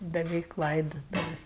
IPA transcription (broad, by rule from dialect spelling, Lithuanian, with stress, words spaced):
bʲɛˈʋʲɛɪk ˈlˠɐɪdoːtʊʋʲeːsʲ